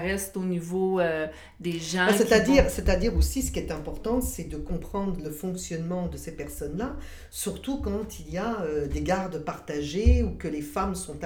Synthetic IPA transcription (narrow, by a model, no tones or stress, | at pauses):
ʁɛst̪onivoø | d̪eʒɑ̃sɛt̪ad̪iʁsɛt̪ad̪iʁosis̬ə̥kʲiɛt̪ɛ̃pɔʁt̪ɑ̃sɛd̪əkɔ̃pχɑ̃d̪ʁələfɔ̃ksjɔnmɑ̃d̪əsepɛʁsɔnla | syʁt̪ukɑ̃t̪iliaød̪eɡaʁd̪əpaʁt̪aʒeukəlefamsɔ̃t̪